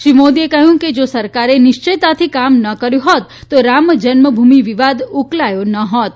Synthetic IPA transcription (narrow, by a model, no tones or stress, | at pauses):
ʃimod̪iekəɦjũked͡ʒosəɾkaɾenɪʃt͡ʃəjt̪at̪ʰikamnəkəɾjũɦot̪ːoɾaməd͡ʒənməbʱumiʋiʋad̪uklajonəɦɔt̪̚